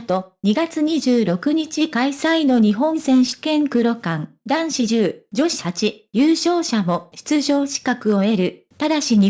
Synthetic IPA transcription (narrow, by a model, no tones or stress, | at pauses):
t̪o̞ɲ̟iɡat͡sɨɲ̟iʑɨːɾo̞kɯ̟ɲ̟it͡ɕikaisaino̞ɲ̟iɦõ̞ɰ̃sẽ̞ɰ̃ɕi̥kẽ̞ŋkɯ̟ɾo̞kãnd̪ãɰ̃ɕiʑɨːd͡ʑo̞ɕi̥hat͡ɕijɯːɕo̞ːɕamo̞ɕi̥t͡sɨʑo̞ːɕi̥kakɯ̟o̞e̞ɾɯ̟ | t̪ad̪aɕiɲ̟i